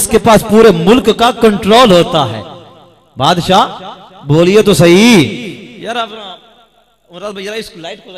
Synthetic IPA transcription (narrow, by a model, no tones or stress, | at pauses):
skepaːspuːɾemʊlkːakɐ̃ɳʈɾoːlɦoːt̪aɦɛ̰ː | baːd̪ʃa | boːliet̪osɐɦi | jɐɾ | ɪslʈk